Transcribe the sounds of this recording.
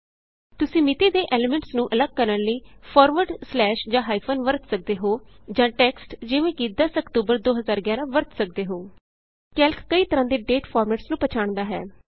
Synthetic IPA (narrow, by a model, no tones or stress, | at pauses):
t̪ʊsĩːmɪt̪iːd̪eːʔeːleːmɛ̃ɳʈsnũːʔələɡ̚kəɾənləiːpʰɔːɾʋəɾɖslɛːʃd͡ʒãːɦaːipʰoːnʋəɾt̪sək̚d̪eːɦoː | d͡ʒãːʈɛːksʈd͡ʒɪʋẽːkid̪aːsəkt̪uːbəɾd̪oːɦəzaːɾɡjaːɾãːʋəɾt̪sək̚d̪eːɦoː | kɛːlkʰːəiːt̪əɾãːd̪eːɖeːʈpʰɔːɾmɛːʈsnũːpət͡ʃʰaːɳd̪aːɦɛ̰ː